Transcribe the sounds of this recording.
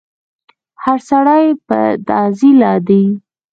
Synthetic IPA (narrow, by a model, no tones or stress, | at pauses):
haɾsaɽajpə̰d̪ɑzilɑd̪i